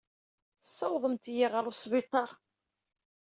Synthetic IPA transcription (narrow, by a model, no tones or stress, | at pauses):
sˤːɑwðˤəmt̪jiʁəɾˤʊsˤvɪt̪ˤːɑɾˤ